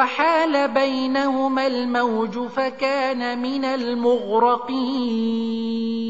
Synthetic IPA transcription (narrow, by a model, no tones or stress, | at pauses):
waħaːlabajnahʊmalmawd͡ʒʊfakaːnamɪnalmʊɣɾɑqiːn